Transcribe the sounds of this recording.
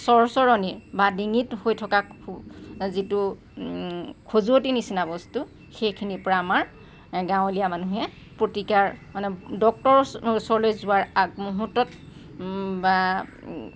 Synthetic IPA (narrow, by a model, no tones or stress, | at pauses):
sɔɹɔsɔɹɔnibadiŋithojtʰɔka | zitu | kʰozuotinisinabɔstu | xejkʰinipɔɹaːmaɹ | ɡãw̃lijamanuɦɛ | pɹotikaɹmanɛdɔk̚tɔɹusɔɹlojzʊaɹaɡmuɦutːɔt | ba